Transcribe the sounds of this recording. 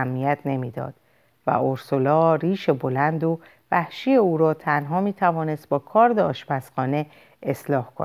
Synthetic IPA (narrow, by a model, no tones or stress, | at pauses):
mnijæt̪ʰne̞miːd̪ɒ̰ːd̪̥ | væ̰ʔoɾsolɒːɾiːʃe̞bo̞lænd̪o | væhʃiːjeuːɾɒːt̪ʰænɦɒːmiːt̪ʰævɒːne̞st̪̚bɒːkʰɒːɾd̪eɒːʃbæsxɒːne̞ | eslɒːhkʰo̰n